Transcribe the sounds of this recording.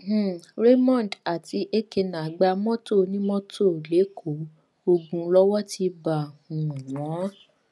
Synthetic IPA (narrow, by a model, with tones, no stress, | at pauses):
h̩˦˨ɾe˦mɔ̃˦˨n˨da˨ti˨˧ʔe˦ke˧nã˨˦ɡ͡ba˧mɔ̃˦to˦˨nĩ˦mɔ̃˦tʰo˦˨le˨˦kʰo˨˦ | o˧ɡũ˧lɔ˦wɔ˦ti˧ba˨ũ˨n˨ɔ̃˨˦